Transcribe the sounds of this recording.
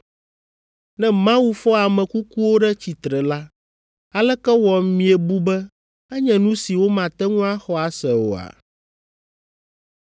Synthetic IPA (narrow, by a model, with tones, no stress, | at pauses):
nɛ̃˦mã˦wu˦fɔ˦a˨mɛ̃˨ku˦ku˦wo˦ɖɛ˦t͡ɕi˨t̪ɾɛ˨la˦ | a˨lɛ˦kɛ˦wɔ˨mĩ˨ɛ˨bu˦bɛ˦ | ɛ˦ɲɛ̃˨nũ˦si˨wo˦mã˨t̪ɛ˦ŋũ˦a˦xɔ˦a˨sɛ˨o̰˨a̰˨